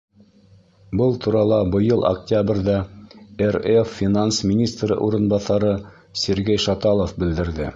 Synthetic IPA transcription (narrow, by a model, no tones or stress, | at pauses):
bɤlˠt̪ʰuɾɑlˠɑbɤ̆jɤlˠɐ̰ktʲabrʲðæerefːʲinansmʲinʲist̪rɤ̰ʔuɾɤ̆nbɑθɑɾɤ | sʲɘ̆ɾɡæjʃɑt̪ɑlˠofbɘ̆ld̪ɘ̆ɾðɘ